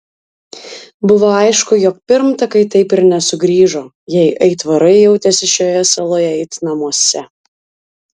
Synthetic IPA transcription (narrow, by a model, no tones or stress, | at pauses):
bʊʋoːɐɪʃkʊjɔk̚pʲɪɾmt̪ɐkɐɪt̪ɐɪpɪɾnʲɛsʊɡɾʲiːʒoː | jɛɪʔɛɪt̪ʋɐɾɐɪjɛʊt̪ʲɛsʲɪʃʲjoːjɛsɐlˠoːjɛɛɪt̪nɐmuɔsʲɛ